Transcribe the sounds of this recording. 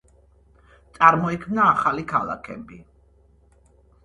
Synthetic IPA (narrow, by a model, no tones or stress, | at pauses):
t̪sʼaɾmɔikʰmnaːχalikʰalˠa̰kʰɛ̰bi